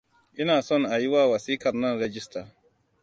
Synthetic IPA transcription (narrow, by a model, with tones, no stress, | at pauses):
ʔɪ˦naː˨sɔ˦˨ŋʔa˨ji˦waː˦wɐ˨siː˦kɐ˨rnɐ˦nɾɛ˦d͡ʒɪ˦staː˨